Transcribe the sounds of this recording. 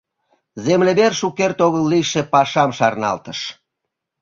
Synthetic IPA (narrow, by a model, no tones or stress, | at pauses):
zemleβerʃukert̪oɣəlːiʃepɑʃɑmʃɑrnɑ̰lt̪əʃ